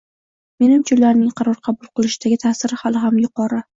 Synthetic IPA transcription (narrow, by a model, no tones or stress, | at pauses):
me̞nɪmt͡ʃʰʊlːaɾnɪŋqʰɑɾɒɾqʰɑbʊlˠqɨlˠɪʃɪd̪aɡʲɪt̪ʰaːsɪɾɪhalˠɪɦamjʊqʰɒɾa